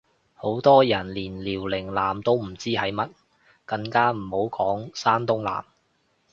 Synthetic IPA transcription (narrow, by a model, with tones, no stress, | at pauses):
ho˨˥wt̪ɔː˥jɐ˨˩nliː˨˩nliː˨˩wlɪ˨˩ŋlaː˨mt̪o˥wm̩˨˩t͡siː˥hɐ˨˥jmɐ˥t̚ | kɐ˧ŋkaː˥m̩˨˩ho˨˥wkʰɔː˨˥ŋsaː˥nt̪ʊ˥ŋla̰ː˨˩m